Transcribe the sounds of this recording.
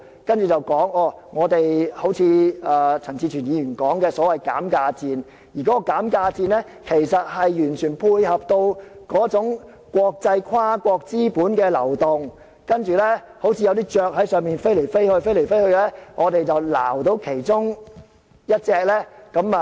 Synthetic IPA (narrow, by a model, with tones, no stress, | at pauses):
kɐ˥nt͡ʃyː˨˩t͡sɐ˨wkɔː˨˥ŋɔː˨˧ŋɔː˨˧t̪e˨jho˨˥wt͡sʰiː˨˧aː˨˧t͡sʰɐ˨˩ŋt͡siː˧t͡ʃʰyː˨˩njiː˨˧jyː˨˩nkɔː˨˥ŋkɛː˧sɔː˨˥wɐ˨jka̰ː˨˥mkaː˧t͡siː˧n | jiː˨˩kɔː˨˦˥kɔ˧kaː˨˥mkaː˧t͡siː˧nlɛː˥ | kʰe˨˩jsɐ˨t̚hɐ˨jjyː˨˩nt͡ʃʰyː˨˩npʰuː˧jhɐ˨p̚t̪o˧wkɔː˨˥t͡sʊ˨˥ŋ | kʷɔː˧k̚t͡sɐ˧jkʰwaː˥kʷɔː˧k̚t͡siː˥puː˨˥nkɛː˧lɐ˨˩wt̪ʊ˨˩ŋ | kɐ˥nt͡ʃyː˨˩lɛː˥ | ho˨˥wt͡sʰi˧jɐ˧wt̪iː˥t͡ʃœː˨˧k̚hɐ˨˥jsœː˨ŋmiː˨˩nfe˥jle˨˩fe˥jhɵ˧ɥfe˥jle˨˩jfe˥jhɵ˧ɥlɛː˥ŋʔɔː˨˧t̪e˨jt͡sɐ˨wla̰ː˨˩wt̪o˧wkʰe˨˩jt͡sʊ˥ŋ | jɐ˥t̚t͡sɛː˨˧k̚lɛː˥kɐ˨˥m˨